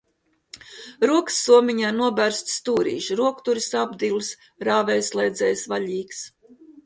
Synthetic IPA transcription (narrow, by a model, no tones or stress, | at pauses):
ɾuɔksːuɔmʲiɲaːnuɔbʲæɾst̪st̪uːɾḭːʃɾuɔkt̪uɾisabd̪ilˠs | ɾaːvɛjslˠɛjd̪zɛːjsvaʎʲiːks